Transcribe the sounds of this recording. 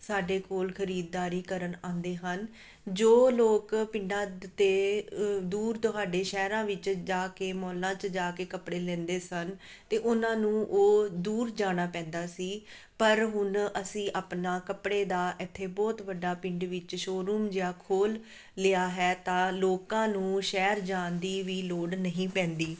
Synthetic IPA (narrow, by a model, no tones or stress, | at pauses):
saːɖeːkoːlkʰəɾiːd̪̚ːaːɾiːkəɾəɳãːnd̪eːɦən | d͡ʒoːloːkpɪ̃ɳɖãːt̪eːd̪uːɾt̪oɦaːɖeːʃɛːɾãːʋɪt͡ʃd͡ʒaːkeːmɔːlãːt͡ʃd͡ʒaːkeːkəpɽeːlɛ̃ːnd̪eːsən | t̪eːʔʊnãːnũːʔoːd̪uːɾd͡ʒaːɽ̃aːpɛ̃ːnd̪aːsiː | pəɾɦʊnəsĩːʔaːpnãːkəpɽeːd̪aːʔɪt̪ʰːeːbɔːt̪ʋəɖːaːpɪ̃ɳɖʋɪt͡ʃʃoːɾuːmd͡ʒeaːkʰoːlː | ɪaːɦɛːt̪ãːloːkãːnũːʃɛːɾd͡ʒaːnd̪iːʋiːloːɖnəɦĩːpɛ̃ːnd̪iː